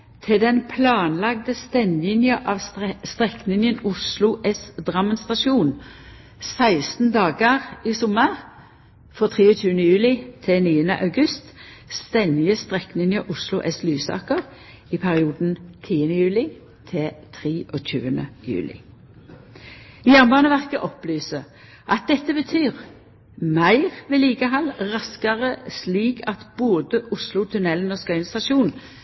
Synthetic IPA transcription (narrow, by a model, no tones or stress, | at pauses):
t̪ʰɪld̪ɛnpʰlɑːnlɑɡ̚d̪əst̪ɛnlɪŋjəʔɑʋst̪ʁɛknɪŋjənʊslʊʔɛsd̪ʁɑmənst̪ɑʃuːn | sæɪst̪n̩d̪ɑːɡəʁiːsʊməʁ | fɔʁt̪ʰʁiːʊt̪ʰʉːənəjʉːlɪt̪ʰɛniːənə̰ʔɑʉɡʉst̪st̪ɛnd̪ɪəst̪ʁɛknɪŋjəʔʊslʊʔɛslyːsɑ̰ːkəʁ | ɪpʰæʁɪuːd̪n̩t̪ʰiːənəjʉːlɪ | t̪ʰɪlt̪ʰʁiːʔoːc͡çʉ̰ːənə̰jʉ̰ːlɪ̰ | jæʁnbɑːnəʋæʁkəʔɔplyːsə | ʔɑt̪̚d̪ɛt̪ːəbət̪ʰyːʁ | mæɪʁʋeːliːɡəɦɑlʁɑskɑʁəsliːkʰɑt̪b̥oːd̪əʔʊslʊt̪ʰʉnɛlən̩oːskɑʏnst̪ɑʃuːn